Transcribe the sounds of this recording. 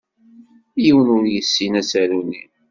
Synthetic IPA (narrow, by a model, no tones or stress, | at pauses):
jiwənʊɾjəsːinæsæɾuni